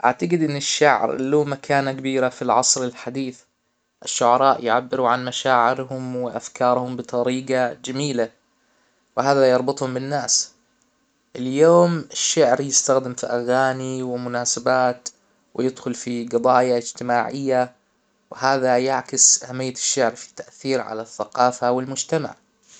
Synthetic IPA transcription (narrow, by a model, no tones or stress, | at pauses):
ʔa̰ʕt̪aɡɪd̪ʔɪnːɪʃːa̰ʕɾluːmakʰaːnakabiːɾafilʕɑsˤɾɪlħad̪iːθ | ʔɪʃːʊʕɑɾˤɑːʔjʕabːɪɾuʕanmaʃaːʕɪɾɦʊmwɪʔafkɑːɾˤhʊmbɨt̪ˤɑɾiːɡɑd͡ʒamiːla | wɪɦaːðajɑɾˤbʊt̪ˤhʊmbɪnːaːs | ʔɪljoːmɪʃːaʕɾjɪst̪axd̪ɪmfiʔaɣaːniwɪmʊnaːsabaːt̪ | wɪjɪd̪xʊlfiɡɑd̪ˤɑːjaɪd͡ʒt̪ɪmaːʕɪjːa | wɪɦaːðajaʕkɪsʔahamːɪjːaɪ̥ʃːaʕɾfi̥t̪ːaʔθiːɾʕa̰laθːaqɑːfawɪlmʊd͡ʒt̪ama̰ʕ